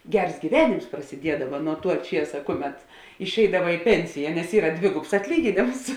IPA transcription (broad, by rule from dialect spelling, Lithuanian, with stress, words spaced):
ˈɡʲɛrs ɡʲiːˈʋʲæːnʲɪms prɐsʲɪˈdʲiɛdɐʋɐ nuɔ tuɔ ˈt͡ʃʲiɛsɐ ˈkʊˌmʲɛt ɪʃʲˈɛɪdɐʋɐ ɪ ˈpʲɛnʲsʲɪjɛ nʲɛs ˈiːrɐ ˈdʲʋʲɪɡʊps ɐtʲˈlʲiːɡʲɪnʲeːms